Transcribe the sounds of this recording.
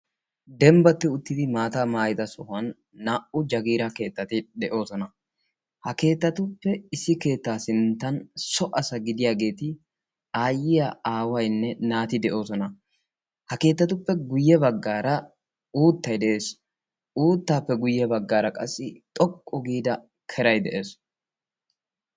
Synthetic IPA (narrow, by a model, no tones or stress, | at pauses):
d̪ɛmbɐt̪ːɪʊt̪ːɪd̪ɪmaːt̪aːmaːjɪd̪ɐsɔhɐnː | aːʔʊd͡ʒɐɡiːɾɐke̞ːt̪ːɐt̪ɪd̪ɛʔo̞ːsɔnɐ | hɐke̞ːt̪ːɐt̪ʊpːɛɪsːɪke̞ːt̪ːaːsɪnt̪ːɐnsɔʔɐsɐɡɪd̪ɪjaːɡe̞ːt̪ɪ | aːjːɪjaaːwɐjnːɛnaːt̪ɪd̪ɛʔo̞ːsɔnɐ | hɐke̞ːt̪ːɐt̪ʊpːɛɡʊjːɛbɐɡːaːɾɐ | uːt̪ːɐjd̪ɛʔe̞ːs | uːt̪ːaːpːɛɡʊjːɛbɐɡːaːɾɐkʼɐsːɪt̪ʼɔkʼːɔɡiːd̪ɐ | kʰɛɾɐjd̪ɛʔeːs